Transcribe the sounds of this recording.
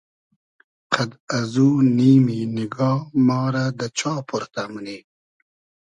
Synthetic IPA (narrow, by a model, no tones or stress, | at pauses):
qʰad̪azuːniːminɪɡɑːmɑːɾad̪ət͡ʃɑːpʰuɾt̪aməniː